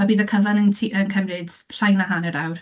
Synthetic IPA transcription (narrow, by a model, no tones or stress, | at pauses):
abiːðəkʰəvanəntʰiʔənkʰəmrɪd̥ | ɬajnaɦanəɾawr